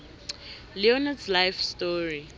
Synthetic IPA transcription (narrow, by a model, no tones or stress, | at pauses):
liɔnaslajfstɔɹi